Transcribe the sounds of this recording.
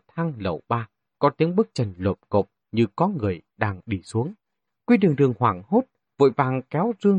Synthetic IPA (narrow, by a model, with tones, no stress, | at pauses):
t̪ʰa˧ŋlə̰˨˧˩wɓaː˧ | kɔ˨˦t̪i˨˦əŋɓɨ˦˥k̚t͡ɕə˨˩nlo˨˩p̚ko˨˩p̚ | ɲɨ˧kɔ˨˦ŋɨ˨˩əjɗaː˧ŋɗi˧˩su˨˦əŋ | kwi˧ɗɨ˨˩əŋt̪ɨ˨˩əŋhwaː˧˩ŋho˦˥t̚ | vo̰˧˨jvaː˨˩ŋkɛ˨˦wzɨ˧əŋ